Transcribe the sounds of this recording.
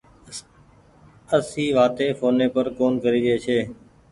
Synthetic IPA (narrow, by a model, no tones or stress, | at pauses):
əsiːʋaːt̪eːfʰoːneːpəɾkoːnkəɾiːɾəeːt͡ʃʰeː